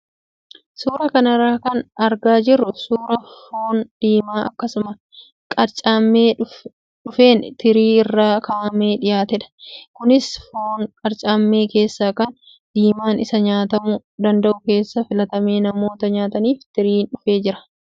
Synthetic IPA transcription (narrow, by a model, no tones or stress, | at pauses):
suːɾɐkɐnɐɾːaːkɐnɐɾɡaːd͡ʒɪrːʊsuːɾɐfoːnd̪̥iːmaːʔɐkːɐsʊmɐ | kʼɐɾt͡ʃʼaːmːeː | ᶑʊfe̞ːnt̪ɪɾiːɪrːaːkaːʔɐme̞ːᶑɪjaːt̪ɛᶑɐ̥kʊnɪsfoːŋkʼɐɾt͡ʃʼaːmːe̞ːke̞ːsːaːkɐn | d̪̥iːmaːnɪsɐɲaːt̪ɐmʊ | d̪ɐnd̪ɐʔʊke̞ːsːɐfɪlɐt̪ɐmeːnɐmo̞ːt̪ɐɲaːt̪ɐniːft̪ɪɾiːnᶑʊfeːd͡ʒɪɾɐ̥